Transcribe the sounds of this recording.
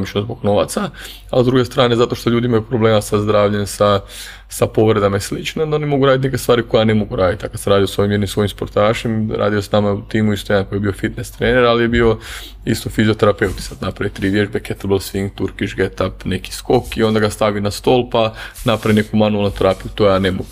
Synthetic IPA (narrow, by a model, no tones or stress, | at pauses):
mit͡ʃnozbo̞ɡno̞ʋa̰t̪sa | a̰zd̪ɾuɡe̞st̪ɾaːne̞zat̪o̞ʃt̪oʎuːd̪iimajupɾobleːmasazd̪ɾaːʋʎesa | sapo̞ʋɾed̪amaislit͡ʃneond̪aonimo̞ɡuɾad̪it̪neke̞st̪aːɾiko̞jane̞mo̞ɡuɾaːd̪it̪akad̪seɾaːd̪ijosʋo̞jimjed̪nimsʋo̞jimspo̞ɾt̪aːʃemɾa̰ːd̪ijosnamaut̪iːmuist̪oje̞ankojebiofit̪nest̪ɾeːne̞ɾalijebio̞ | ist̪ofizio̞t̪eɾape̞wt̪i̥sad̪napɾaʋit̪ɾiːʋjeʒbeket̪lbelˠsʋiŋɡt̪uɾkit͡ʃɡet̪apne̞ki̥sko̞kio̞nd̪aɡast̪aʋinast̪o̞ːlˠpanapɾaʋine̞kumanualˠnut̪eɾaːpijut̪ojaːne̞mo̰ɡu